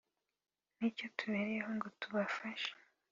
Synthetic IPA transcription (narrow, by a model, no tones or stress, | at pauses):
nico̞tʰuβeːɾeehoŋɡo̞tuβafaʃe̥